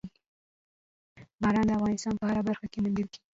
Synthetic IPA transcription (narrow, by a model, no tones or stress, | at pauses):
bɑɾɑnd̪əafɣɑnɪst̪ɑnpəhaɾabaɾxakemʊnd̪əlki̥i